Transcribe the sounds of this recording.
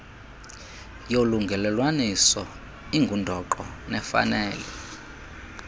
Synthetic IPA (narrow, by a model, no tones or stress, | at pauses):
joluŋɡʱɛlɛlwanisɔ | iŋɡʱundʱɔǃɔnɛfa̰nɛːlɛ